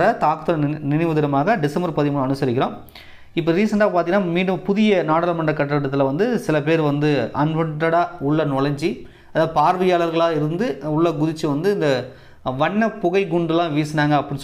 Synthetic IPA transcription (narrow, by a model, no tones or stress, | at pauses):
ɾɐt̪aːkɯt̪ːɯlɐnɪnɐɪʋɐðɪɾɐmaːɣɐɖɪsɐmbɐɾpɐðɪmɐnɐnɯsɐɾɪk̬ʲːɪɾõː | ɪpːɐɾiːsɐɳɖaːpaːɾt̪ɪŋɡɪnaːmiːɽɯmpʊðɪjɐnaːɽɐlɐmɐɳɖrɐkːɐʈːɐɐʈːɐt̪ːɪlʋɐnd̪ɯsɪlɐp̬eːɾʋɐnd̪ɯɐnʋɐɳʈːɐɽaːʊɭːɐnɔɭɐɲd͡ʒi | ɐðaːpaːɾʋɪjaːlɐɾɣɐɭaːɪɾɯnd̪ɯʊɭːɐɡʊðɪt͡ʃːɯʋɐnd̪ɯɪnd̪ɐ | ʋɐɳːɐpʊɣɐɪɡʊɳɖɐlːãːʋiːsɐnaːŋɡɐːpːɐɽɪ̃n